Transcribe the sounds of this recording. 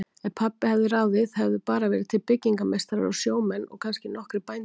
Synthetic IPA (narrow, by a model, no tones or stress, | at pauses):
ɛnpʰapːɪhavðɪɾaːwðɪðhɛvðʏpaːɾavɛːɾɪt̪ʰɪlpɪcːiŋkamejst̪aɾa̰ɾa̰wsjoːwmɛnːɔ̰ɣkʰanscɪnɔhkɾɪpajn